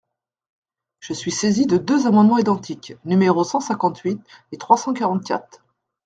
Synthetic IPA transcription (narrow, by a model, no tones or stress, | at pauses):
ʒ̥əsɥisezid̪əd̪øzamɑ̃d̪mɑ̃id̪ɑ̃t̪ʰiknymeʁosɑ̃sɛ̃kɑ̃t̪ɥit̪et̪χwasɑ̃kaʁɑ̃t̪̚kʲa̰t̪χ